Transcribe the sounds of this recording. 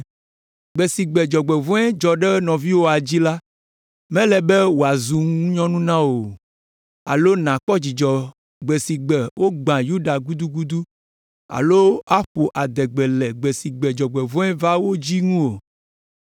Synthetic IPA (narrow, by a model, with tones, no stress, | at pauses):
ɡ͡bɛ˨si˨ɡ͡bɛ˨d͡ʒɔ˨ɡ͡bɛ˨vɔ̃˦ɛ˦d͡ʒɔ˨ɖɛ˦nɔ̃˨vi˦wo˦a˨d͡ʑi˦la˦ | mɛ̃˦lɛ˨bɛ˦wo˨a˨zu˨ŋũ˦ɲɔ̃˦nũ˦nã˦wo˨ | a̰˨lo˦nã˨k͡pɔ˦d͡ʑi˨d͡ʒɔ˨ | ɡ͡bɛ˨si˨ɡ͡bɛ˨wʔo˦ɡ͡bã˨ju˦ɖa˨ɡu˦d̪u˦ɡu˦d̪u˦ | a̰˨lo˦a˦ɸo˨ʔa˨d̪ɛ˨ɡ͡bɛ˨lɛ˨ɡ͡bɛ˨si˨ɡ͡bɛ˨d͡ʒɔ˨ɡ͡bɛ˨vɔ̃˦ɛ˦va˦wo˦d͡ʑi˦ŋũ˦o˨